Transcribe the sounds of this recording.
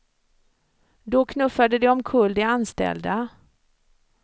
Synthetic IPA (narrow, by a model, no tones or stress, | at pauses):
d̪ɔkʰnɵfːad̪əd̪ɛɔmkʰɵld̪ɪanst̪ɛ̰ld̪a